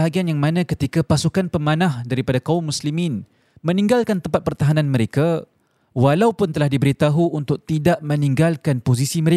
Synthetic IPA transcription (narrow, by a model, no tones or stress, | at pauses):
ɦaɡianjaŋmanãkət̪ikapasukanpəmanãhdaɾipadakaumːuslimɪ̃n | mə̃nĩŋɡalkant̪əmpat̪̚pərt̪aɦanãnməɾeka | walawpʊnt̪əlahdibəɾit̪aɦuːnt̪ʊk̚t̪idaʔmə̃niŋɡalkanposisiməɾe